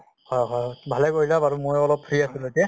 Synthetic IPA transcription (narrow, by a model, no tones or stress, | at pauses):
hɔjɦɔjbʱalɛkoilabaɹumojɔlɔp̚pʰɹiasulotia